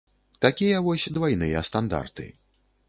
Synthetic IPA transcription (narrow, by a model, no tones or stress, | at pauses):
t̪akʲijɐvɔsʲd̪vajnɨjɐ̰st̪and̪a̰rt̪ɨ̰